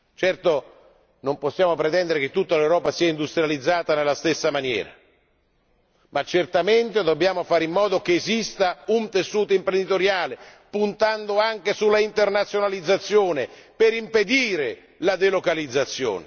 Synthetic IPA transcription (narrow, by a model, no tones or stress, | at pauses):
t͡ʃɛrt̪o | nomposːjaːmopɾet̪ɛnd̪eɾeket̪ːut̪ːalewɾɔːpasiːaind̪ust̪ɾjalid̪zːaːt̪anelːast̪esːamanjɛ̰ːɾa̰ | mat͡ʃːert̪ament̪ed̪obːjaːmofaːɾimːɔːd̪okeːzist̪aunt̪esːuːt̪oimpɾend̪it̪oɾjaːle | punt̪and̪oaŋk̟esulːaint̪ernat̪sːjonalid̪zːat̪sːjoːnepeɾimped̪iːɾe | lad̪elokalid̪zːat̪sːjo̰ːne